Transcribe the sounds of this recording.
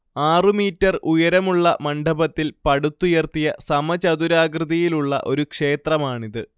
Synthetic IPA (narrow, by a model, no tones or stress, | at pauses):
aːrɨmiːtːɐrʔujɐɾɐmuɭːɐmɐɳɖʱɐbɐt̪ːilpɐɽut̪ːujɐrt̪ijɐsɐmɐt͡ɕɐðuɾaːɡrɨðijiluɭːɐ̰ʔo̞ɾukʂe̞ːt̪rɐmaːɳiðɨ